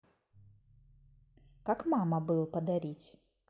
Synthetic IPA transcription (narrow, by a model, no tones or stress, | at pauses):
kakmamɐbɨlˠpɐd̪aɾʲit͡sʲ